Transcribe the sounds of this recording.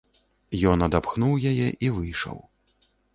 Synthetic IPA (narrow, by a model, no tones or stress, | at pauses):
jɔnɐd̪apxnuwjajɛʔivɨjʂɐ̰w